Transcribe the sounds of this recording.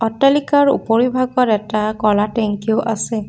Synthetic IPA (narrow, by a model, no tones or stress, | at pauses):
ɔtalikaɹṵpoɹibʱaɡɔɹɛtakɔlatɛŋkioʔasɛ